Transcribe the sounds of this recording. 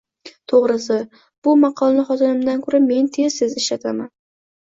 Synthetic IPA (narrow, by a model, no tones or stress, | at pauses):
t̪ʰoʁɾɪsɪ | b̥ʊmɑqʰɒlˠnɪχɒt̪ʰɪnɪmd̪ankʰɵɾame̞nt̪ʰe̞z̥sɪzɪʃlat̪ʰaman